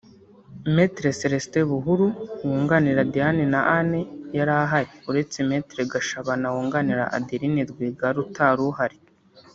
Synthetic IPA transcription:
metɾeseɾesteβuɦuɾuwuːŋɡaniɾadianenaʔanejaɾaːɦaɾiuɾe̞t͡semeːtɾeɡaʃaβanawuːŋɡaniɾa̰ʔa̰diɾinidɡwiɡaɾutaɾuɦaɾi

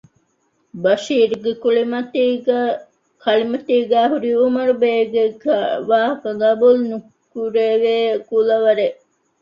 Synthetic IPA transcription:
bɐʃiːɾuɡekuɭimɐt̪iːɡ | kʰɐlimɐt̪iːɡæːɦuɾiumɐɾubeːɡeɡʋaːɦɐkɐɡɐbulnu | kuɾeːʋeːkulɐʋɐɾeʔ

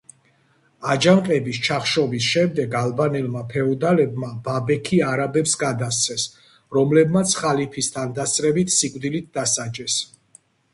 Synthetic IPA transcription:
ad͡ʒamqʼɛbist͡ʃʰaχʃɔbisʃɛmd̪ɛɡalˠbanɛlmapʰɛɔd̪alɛb̚mababɛkʰiaɾabɛpsɡad̪ast̪sʰɛs | ɾɔmlɛbmat̪sʰχalipʰist̪ʰand̪ast̪ʼɾɛbit̪ʰsikʼvd̪ilit̪̚ʰd̪asad͡ʒɛs

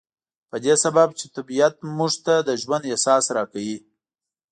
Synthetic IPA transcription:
pəd̪esababt͡ʃet̪abijat̪muʐt̪ad̪əʒwand̪esɑsɾɑkawi

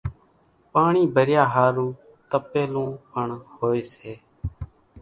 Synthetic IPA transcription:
paːɳiːbəɾjaːɦaːɾuː | t̪əpeːlõːpəɳhoːeːseː

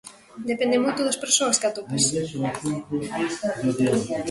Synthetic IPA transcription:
d̪epɛ̃nd̪emojt̪ʊðɐspeɾsoɐskat̪opɐs

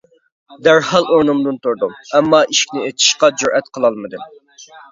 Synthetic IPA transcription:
d̪æɾhɑlˠoɾnumd̪unt̪ʊɾd̪umɛmːɑʔiʃkʲnɪet̪ʰi̥ʃqɑd͡ʒuɾʔɛt̪qʰəlˠɑlˠmɨd̪ɨm

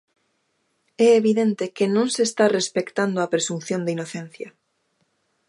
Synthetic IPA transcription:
ɛeβiðent̪ekenõŋsest̪arespekt̪and̪oɐpɾesunθjõnd̪inoθen̟θjɐ

